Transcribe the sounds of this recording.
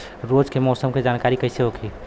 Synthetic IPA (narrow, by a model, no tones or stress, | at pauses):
ɾod͡ʒkemɔːsəmked͡ʒankaɾikəɪseɦokʰi